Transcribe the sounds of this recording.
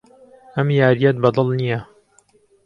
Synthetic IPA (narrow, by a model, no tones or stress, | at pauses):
ʔɐmjaːɾijɐt̪̚bɐd̪ɨlˠnijɐ